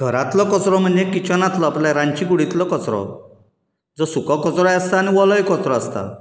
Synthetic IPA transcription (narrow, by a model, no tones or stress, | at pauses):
ɡʱɔɾat̪lɔkɔt͡sɾɔmanekit͡ʃʰɔnat̪lɔaplajɾant͡ʃiɡuɽit̪lɔkɔt͡sɾɔ̰ | d͡zosukɔkɔt͡sɾɔaast̪aniwɔlɔjkɔt͡sɾɔast̪a̰